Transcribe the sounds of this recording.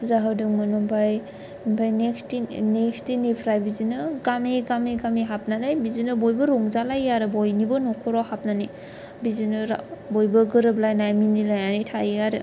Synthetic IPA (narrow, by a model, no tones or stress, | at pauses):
pʰuzaɦɯdɯŋmanɯmbʰaj | mbʰajnekstinekstinipʰɾajbizinɯɡameɡameɡameɦap̚nanajbizinɯbojbɯɾoŋzalajaɾɯbojnibɔnɔkʰɔɾawhap̚nani | bizinɯɾbojbɯɡɯɾɯblajnajminilajanijtʰajejaɾɯ̰